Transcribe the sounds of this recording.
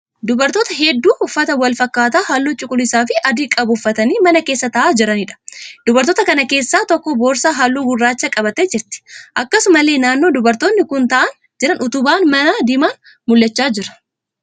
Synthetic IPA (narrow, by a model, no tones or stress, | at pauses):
d̪ʊbɐɾt̪oːt̪ɐɦɛd̪ːuːʔʊfːɐt̪ɐwɐlfɐkːaːt̪ɐːhalːuːt͡ʃʼʊkʼʊlɪsaːfɪʔɐd̪ɪkʼɐbʊfːɐt̪ɐniːmɐnɐkeːsːɐt̪ɐʔaːd͡ʒɪɾɐnɪᶑɐ̥d̪̥ʊbɐɾt̪oːt̪ɐkɐnɐke̞ːsːaːt̪ɔkːɔboːɾsaːɦalːuːɡʊrːaːt͡ʃːɐkʼɐbɐt̪ɛd͡ʒɪɾt̪ɪ̥ʔɐkːɐsʊmɐle̞ːnaːnːo̞ːd̪ʊbɐɾt̪oːnːɪkʊnt̪ɐʔɐn | d͡ʒɪɾɐnʊt̪ʊbaːnmɐnad̪ɪmaːn | mʊlːɛt͡ʃːaːd͡ʒɪɾɐ̥